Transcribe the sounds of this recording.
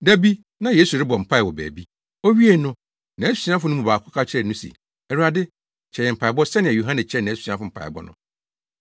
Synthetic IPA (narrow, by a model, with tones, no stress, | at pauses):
dæ˦bi˦ | nã˨jeː˦su˨ɾɪ˦bɔ˨m̩˨pʰa˦˨wɔ˨bæ̰ː˨bi˦ | o˦ɥi˦e˦˨nʊ̃˦ | nã˨æ˦su̥˨si˦ã˦fʊ˦nʊ̃˦mũ˨baː˨kʰʊ˦kʰa˦t͡ɕʰɛ˨nʊ̃˦sḭ˨ | ɛ˨ɾu˨a˨dɪ˦ | t͡ɕʰɛ˨jɛ˨m̩˨pʰa˨bɔ˦sɛ˦nɪ̃˨ɛ˨jo˨ɦã˦nɛ̃˨t͡ɕʰɛ˦˨ñ˨˦su̥˨sĩ˦ã˦fʊ˨m̩˨pʰa̰˨bɔ̰˦nʊ̰̃˦